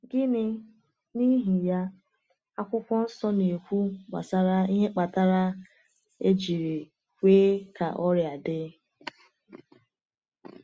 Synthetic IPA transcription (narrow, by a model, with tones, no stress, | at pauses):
ɡɪ˦nɪ˦ | ni˦ɦi˨ja˦ | a˦kʷʊ˦kʷɔ˦n̩˦sɔ˦ne˨kʷu˦ɡ͡ba̰˨sa˦ɾa˦i˦ɦe˦k͡pa˨ta˦ɾa˦ | e˦d͡ʒi˨ɾi˨ | kʷeː˦ka̰˨ʔɔ˦ɾja˨dɪ˦